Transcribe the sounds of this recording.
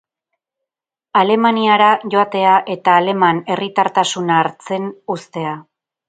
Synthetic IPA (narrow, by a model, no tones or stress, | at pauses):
ale̞maniaɾaʝo̞at̪e̞aʔe̞t̪aːle̞mane̞rit̪aɾt̪asunaːɾt͡se̞nust̪e̞a